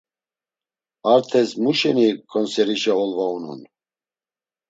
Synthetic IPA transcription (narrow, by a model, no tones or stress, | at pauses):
aɾt̪ʰɛsmuʃɛnikʰʼɔnsɛɾiʃaɔlvaunṵn